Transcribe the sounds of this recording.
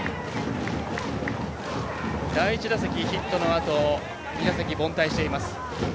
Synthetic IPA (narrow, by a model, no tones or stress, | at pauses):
d̪aiit͡ɕid̪asakʲiçit̪ːo̞no̞at̪o̞ | mʲinasak̬ʲibõ̞nt̪aiɕi̥t̪e̞imasɨ̥